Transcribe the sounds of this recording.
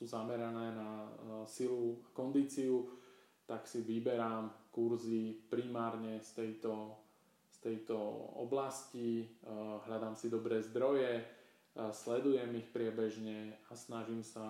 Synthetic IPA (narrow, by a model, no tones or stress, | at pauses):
suzamɛɾanɛːnasilukɔnd̪iːt͡siu | t̪aksiʋibɛɾaːmkuɾzipɾimaːɾɲɛst̪ɛjt̪ɔ | st̪ɛjt̪ɔɔ̰blasci | ɦʎad̪aːmsid̪ɔbɾɛːzd̪ɾɔjɛ | slɛd̪ujɛmixpɾɪɛbɛʒɲɛasnaʒiːmsa